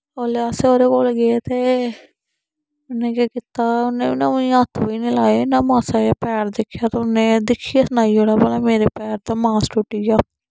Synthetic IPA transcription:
oːleaseoːɾeːkoːlɡeeːt̪eː | ʊnːẽːkaːkɪt̪aːʊnːeːinaːʊĩət̪ʰːʋiːnĩːlaːeːnãːmãːsaːjaːpɛːɾd̪ɪkʰːjaːt̪ʊnːẽːd̪ɪkʰːijaːsənaːioːɽaːbəlaːmeːɾeːpɛːɾt̪aːmaːsʈʊʈːiːjaː

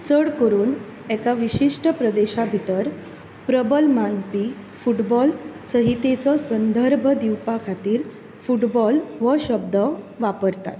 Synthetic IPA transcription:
t͡səɽkəɾuːn | ɛkaʋiɕiʂʈəpɾəd̪eɕabʱit̪əɾ | pɾəbəlmanpi | fuʈbɔlsəɦit̪et͡sɔsənd̪ʱəɾbʱəd̪iwpakʰat̪iːɾ | fuʈbɔlʋəɕəb̚d̪ə | ʋapəɾt̪a̰t̪

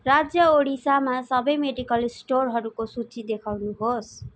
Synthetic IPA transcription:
rad͡zjʌoɽisamasʌbʌjmeɖikʌlsʈorɦʌɾukosut͡sid̪ekʰawnuɦos

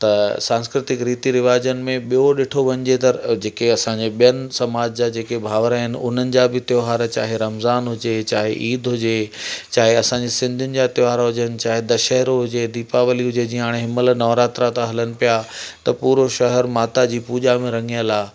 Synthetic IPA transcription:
t̪ɐsãːnskɾɪt̪ɪkɾiːt̪iɾɪʋaːd͡ʑənɪ̆mẽɓijoɗɪʈʰoʋɐ̃ɲd͡ʑet̪ɐd͡ʑeːkeɐsãɲd͡ʑeɓijənɪ̆sɐmaːd͡ʑd͡ʑad͡ʑeːkebʱaːʋɾaɦɪnɪ̆ʊ̰n̤ənɪ̆d͡ʑabɪt̪joɦaːɾt͡ɕa̰ːɦeɾɐmzaːnɦʊd͡ʑet͡ɕaːɦḛʔiːd̪ɦʊd͡ʑet͡ɕaːɦeɐsãɲd͡ʑesɪ̃nd̪ʱʊnɪ̆d͡ʑat̪ɪaːɾaɦʊd͡ʑənɪ̆t͡ɕaːɦed̪ɐʃəɦɾoɦʊd͡ʑed̪iːpaʋəliɦʊd͡ʑed͡ʑĩːə̃ɦaːɽ̃eɦɪməlnɐːʋɾaːt̪ɾat̪ãɦɐlənɪ̆pijat̪ɐpuːɾoʃɐɦəɾmaːt̪ad͡ʑiːpuːd͡ʑamẽɾɐ̃ŋɡijəlaː

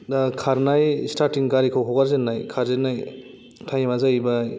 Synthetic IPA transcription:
dakʰaɾnajstaɾtiŋɡaɾikʰawɦawɡaɾzenːajkʰaɾzenaj | tʰajmazajbaj

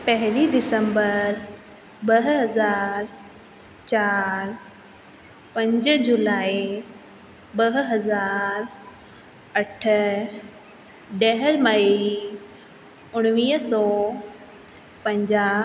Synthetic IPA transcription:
pɐɦɪlid̪ɪsə̃mbəɾ | bɐɦɦɐzaːɾ | t͡ɕaːɾ | pɐ̃ɲd͡ʑəd͡ʑulaːi | bɐɦɦɐzaːɾ | ɐʈʰə̆ | ɖɛɦəlmɐi | ʊɽ̃ʋiːɦsɔː | pɐ̃ɲd͡ʑaː

